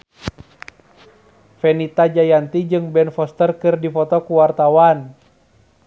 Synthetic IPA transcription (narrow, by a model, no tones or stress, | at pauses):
fɛnit̪ad͡ʒajant̪id͡ʒɨŋbɛnfɔst̪ərkɨrdifɔt̪ɔkuwart̪awan